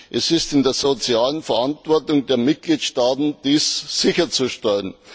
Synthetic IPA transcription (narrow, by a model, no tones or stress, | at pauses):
ʔɛsɪstɪndeːɐzot͡sjaːlənfɛɐʔantv̥ɔɐtʊŋdeːɐmɪt̚ɡ̥liːtʃtaːtn̩d̥iːsːɪçɐt͡suʃtɛlən